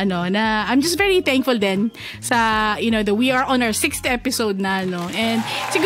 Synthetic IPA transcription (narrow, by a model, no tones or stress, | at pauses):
ɐnonɐʔãjmd͡ʒɐst̪vɛɹiθæ̃ŋkfʊld̪ɛ̃n | sɐjʊnowd̪ɐwiaɹʔɔ̃nawəsɪkst̪ɛpɪsoʊd̪̚nɐɐnoʔɛ̃nd̪sɪɡ